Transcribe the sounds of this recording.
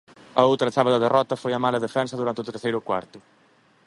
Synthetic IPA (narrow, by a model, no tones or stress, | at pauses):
ɐowt̪ɾɐθaβɐðɐðerʔɔt̪ɐfojɐmalɐðefɛnsɐðuɾant̪eɪot̪eɾθejɾʊkwa̰ɾt̪ʊ